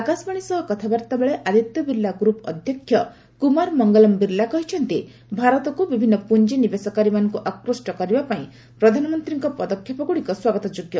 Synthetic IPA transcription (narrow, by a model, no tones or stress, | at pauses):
akasbaɽ̃isɔɦɔkɔt̪ʰabaɾt̪abeɭeʔad̪it̪jɔbiɾlːaɡɾupɔ̰d̪ʱjɔkʰːjɔ | kumaɾmɔŋɡɔlɔmbiɾlakɔɦit͡ʃʰɔnt̪i | bʱaɾɔt̪ɔkubibʱinːɔpund͡ʒenibesɔkaɾimanɔŋkuʔakɾusʈɔkɔɾibapaĩ | pɾɔd̪ʱanɔmɔnt̪ɾiŋkɔpɔd̪ɔkʰjɔpɔkuɽikɔswaɡɔt̪ɔd͡ʒoɡjɔ